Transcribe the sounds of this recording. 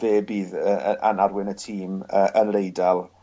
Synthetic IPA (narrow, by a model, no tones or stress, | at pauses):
eːbiːðəəa̰narwɪnətʰiːməʔənlejdalˠ